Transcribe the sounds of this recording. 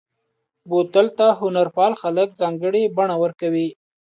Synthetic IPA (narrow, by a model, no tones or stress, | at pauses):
bot̪alt̪aɦʊnaɾpɑlxalək̚zɑŋɡəɽebaɳawəɾkawi